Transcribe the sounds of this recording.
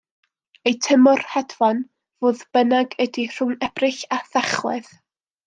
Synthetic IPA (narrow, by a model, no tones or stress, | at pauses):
ejtʰəmɔrhadvɔn | voːðb̥ənaɡədir̥ʊŋɛb̥rɪɬaθaχlˠɛð